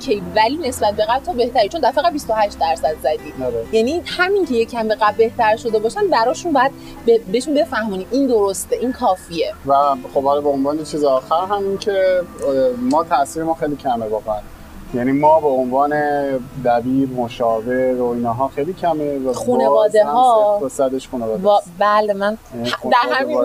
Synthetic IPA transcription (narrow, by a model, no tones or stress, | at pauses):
cʰejvæliːne̞sbæt̪̚ʰbe̞ɣæbt̪ʰɒbe̞ht̪æɾit͡ʃo̞nd̪æfeɣæd̪bist̪ohæʃt̪d̪æɾsæd̪zæd̪iːoɾejænihæmiŋcʰe̞jecʰːæmbeɣæbbe̞ht̪æɾʃo̞d̪e̞bɒːʃænbæɾɒːʃunbɒːjæd̪̚ | bebeʃunbe̞fæhmuniiːnd̪o̞ɾost̪eʔiːnkʰɒːfie̞væxobhɒlɒbeonvɒːnet͡ʃʰiːzeɒːxæɾɦæmincʰe | mɒːt̪ʰæʔsiːɾemɒːxejliːcʰæmevɒːɣeæn | jænimɒːbeonvɒːned̪æbiːɾmoʃɒːveɾoiːnɒːɦɒːxejliːcʰæmevæxuːnevɒːd̪eɦɒːosæd̪eʃxuːnevɒːd̪bælemænud̪æɾɦæmi